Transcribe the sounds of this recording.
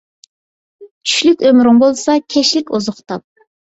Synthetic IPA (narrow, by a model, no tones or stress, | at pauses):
t͡ʃʰy̥ʃlykʲømɾʊŋbolˠsɑkʲʰɛʃlɪkʲozʊχt̪ɑp̚